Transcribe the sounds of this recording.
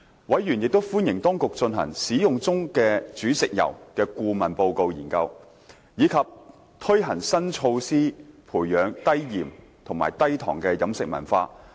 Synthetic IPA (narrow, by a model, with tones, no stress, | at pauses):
wɐ˨˥jjyː˨˩njɪ˨k̚t̪o˥wfuː˥njɪ˨˩ŋt̪ɔː˥ŋkʊ˨k̚t͡ʃɵ˧nɦɐ̰˨˩ŋsiː˨˥jʊ˨˩ŋt͡sʊ˥ŋkɛː˧t͡ʃyː˨˥sɪ˨k̚jɐ̰˨˩wkɛː˧kuː˧mɐ˨˩npo˧wko˧wjiː˨˩nkɐ˧w | jiː˨˧kʰɐ˨p̚ | t̪ʰɵ˥ɦɐ˨˩ŋsɐ˥nt͡ʃʰo˧wsiː˥pʰuː˨˩jjœː˨˥ŋt̪ɐ˥jjiː˨˩mt̪ʰŋma̰ː˨˩jt̪ɐ˥jt̪ʰɔ̰ː˨˩ŋkɛː˧jɐ˨˥msɪ˨k̚mɐ̰˨˩nfaː˧